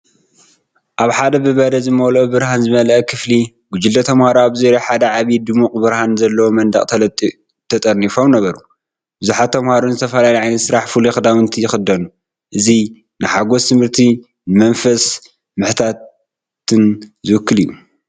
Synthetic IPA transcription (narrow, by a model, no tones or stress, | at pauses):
ʔaβħad̪ɐbɨβɐd̪ɐzɨmɐwlobɨɾhanzɨmɐlɐʔkʰɨfli | ɡʷʊd͡ʒɪld̪ɐt̪ʰɐmhaɾoaβzeɾoħad̪ɐʕaβid̪ɨmukʼbɨɾhanzɐlːɐwomɐnd̪ɐ̰kʼt̪ʰɐlɐt̪ʼi | t̪ʰɐt̪ʼɐnːifo̞mnɐβɐɾu | bɨzuħat̪ʰːɐmhaɾonzɨt̪ʰɐfɐlaliʕajnɐt̪sɨɾaħfulixɨd̪awɨnt̪ʰijɪxɨd̪ɐnu | ʔɨzi | nɨħaɡo̞st̪ʰɨmhɨɾt̪ʰi | nɨmɐnfɐs | mɨħt̪ʰat̪ | t̪ʰːɨnzɨwɨkʰːɨlijːu